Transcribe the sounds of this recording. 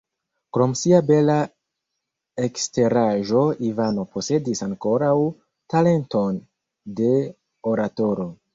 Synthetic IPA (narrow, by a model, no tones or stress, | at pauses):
kɾo̞msiabe̞la | ekste̞ɾaʒo̞ivano̞pʰo̞se̞disaŋko̞ɾaw | tale̞nto̞n | de̞ | o̞ɾato̞ɾo̞